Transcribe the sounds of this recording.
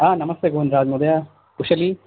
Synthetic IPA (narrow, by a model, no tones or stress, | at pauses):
aːnɐmɐst̪eːɡonɾaːd͡ʒmud̪ɐja | kuʃɐli